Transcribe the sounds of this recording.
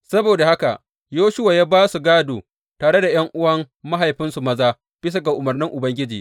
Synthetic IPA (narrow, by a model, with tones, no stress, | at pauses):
sɐ˦boː˨da˨ha˦ka̰˨ʔ | joː˦ʃʊ˦waː˨jaː˦baː˦su˨ɡaː˦doː˨ | taː˨ɽe˦da˨j̰ɐ˦ŋʔʊ˦wɐ˦mːa˦ɦa˨jɸɪ˦nsu˨mɐ˦zaː˦ | b̥ɪ˦s̬a˦ɡa˨ʔʊ˨mɐ˨rnɪ˦ŋʔʊ˨bɐ˦ŋɡʲɪ˦d͡ʒḭː˨